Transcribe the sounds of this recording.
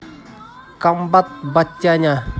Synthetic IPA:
kambat̪̚bat͡ʃːaɲa

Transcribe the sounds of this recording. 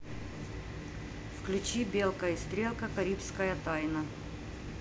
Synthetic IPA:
fklʲʉt͡ɕibʲe̞lˠkɐjəst̪ɾʲelˠkɐkɐɾʲipskɐjɐt̪ajnɐ

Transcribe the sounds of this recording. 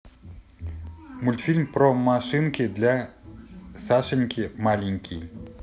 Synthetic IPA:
mulʲt̪fʲilʲmpɾɔmaʂɨnkʲɪd̪lʲa | saʃɨnʲkʲimalʲinʲkʲʰij

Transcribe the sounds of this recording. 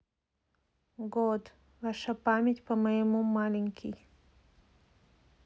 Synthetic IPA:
ɡod̪ | vaʂapamʲetʲpɐmɐjəmumalʲɪŋʲkʲij

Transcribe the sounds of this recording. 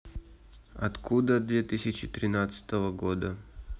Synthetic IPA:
ɐt̪kʰud̪əd̪vʲet̪ɨsʲɪt͡ɕɪt̪ɾʲɪnat̪sɨ̥t̪əvəɡod̪ə

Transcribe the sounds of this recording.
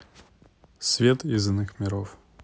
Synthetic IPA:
svʲet̪ɪzɨnːɨxmʲɪɾof

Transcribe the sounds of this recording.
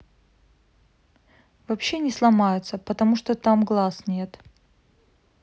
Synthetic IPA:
vɐpɕːe̞nʲɪslˠɐmajʊt̪səpət̪ɐmuʂt̪ot̪amɡlˠasnʲe̞t̪

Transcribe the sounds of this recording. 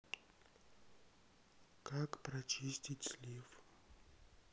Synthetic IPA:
kʰakprat͡ʃisʲtʲit͡ɕʲlʲif

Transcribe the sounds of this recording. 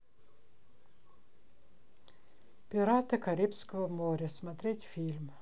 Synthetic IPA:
pʲɪɾɑt̪ɨkɐɾʲipʲsʲkɐʋomoːɾʲɪsmɐt̪ʲɾʲet̪ʲfʲilʲm

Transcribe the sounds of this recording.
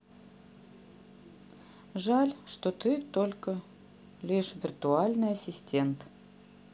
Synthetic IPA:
ʐalʲʂt̪ot̪ɨt̪olʲkə | lʲiʂvʲɪrt̪ualʲnɨjɐsʲɪsʲtʲe̞nt̪

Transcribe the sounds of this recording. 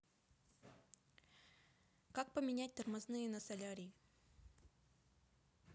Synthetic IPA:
kak̚pəmʲɪnʲæt̚ʲt̪ɐrmɐznɨjənɐsɐlʲaɾʲɪɪ

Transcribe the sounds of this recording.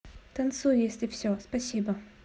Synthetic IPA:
t̪ɐnt̪sujjesʲlʲɪfsʲospɐsʲibə

